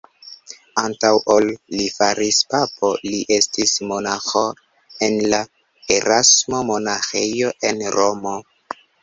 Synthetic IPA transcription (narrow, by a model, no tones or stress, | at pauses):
antawʔolːifaɾispapʰo̞liʔe̞stismo̞naxo | enla | eɾasmo̞mo̞naxejo̞ʔe̞nɾomo̞